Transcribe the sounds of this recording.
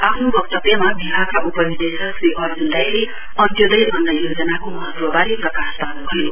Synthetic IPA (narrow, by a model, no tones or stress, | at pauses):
apʰnubʌk̚t̪ʌpemabʱiɦakaʔupʌnid̪esʌksriʔʌrd͡zund̪ajle | ʌnt̪jod̪ʌjʔʌnd̪ajod͡zʌnakomʌɦʌt̪wʌbaɾiprʌkasb̪anubʱʌjo